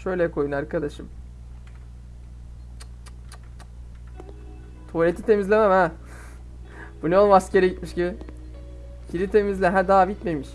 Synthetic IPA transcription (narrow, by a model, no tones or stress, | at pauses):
ʃø̞jlʲɛkʰo̞junaɾkad̪aʃɯm | t̪ʰolʲet̪it̪ʰe̞mizlʲe̞mæmhæ | b̥uneolˠmasceɾiɟit̪̚miʃci | cʰiɾit̪ʰe̞mizlʲæɦæd̪aːbit̪me̞miʃ